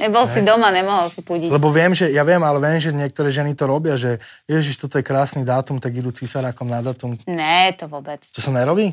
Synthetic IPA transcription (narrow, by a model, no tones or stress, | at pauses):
ɲɛbɔlsid̪ɔmaɲɛmɔɦɔlsipuɟilɛbɔʋɪɛmʒɛjaʋɪɛmalɛʋɛmʒɛɲɪɛk̚t̪ɔɾɛːʒɛnit̪ɔɾɔbɪaʒɛ | jɛʒiʃt̪ɔt̪ɔjɛkɾaːsnid̪aːt̪umt̪aɡid̪uːt͡sisaɾaːkɔmnad̪aːt̪umnɛt̪ɔʋɔbɛt͡st̪ɔsamɲɛɾɔbiː